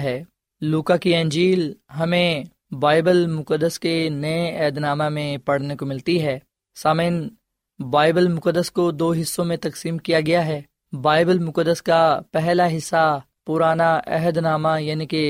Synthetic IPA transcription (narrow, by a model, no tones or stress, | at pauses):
ɦɛː | luːkakiɛ̃ːnd͡ʒiːlɦɐmẽ | baːɪbəlmʊkəd̪əskenɐeɛɦəd̪naːmamẽpɐɽnekomɪlt̪iɦɛː | saːmeːn | baːɪbəlmʊkəd̪əskod̪oːɦɪsːõmẽt̪ɐksiːmkijaɡɐjaɦɛː | baːɪbəlmʊkəd̪ːəskapɛɦlaɦɪsːa | pʊɾaːnaʔɛ̰ɦəd̪naːmajaːnike